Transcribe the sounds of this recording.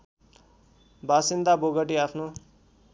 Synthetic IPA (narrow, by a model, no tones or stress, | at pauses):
basind̪aboɡʌʈ̬iapʰno